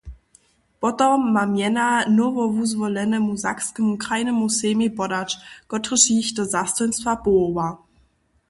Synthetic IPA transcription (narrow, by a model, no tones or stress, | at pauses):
b̥ɔtɔmamjɛnanuvɔvuzvɔlɛnəmuza̰kskəmukʁajnəmuseːmibɔdat͡ʃɡ̥ɔtʁəʃiçtəzastɔnsfabova